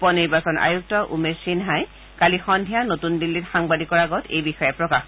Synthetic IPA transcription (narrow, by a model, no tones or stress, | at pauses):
pɔniɹbasɔnʔa̰juk̚tɔʔumesinɦaj | kalixɔndʱijanotundilːitxaŋbadikɔɹaɡɔtḛjbixɔjɛpɹɔkax